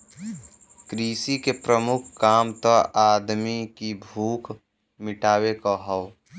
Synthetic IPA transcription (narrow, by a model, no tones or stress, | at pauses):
kɾiːsikepɾəmʊkʰkːaːmt̪ɔʔaːd̪mikibʱuːk | mɪʈaːwekaɦɔw